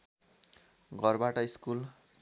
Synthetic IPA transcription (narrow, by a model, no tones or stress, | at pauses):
ɡʱʌrbaʈʌiskul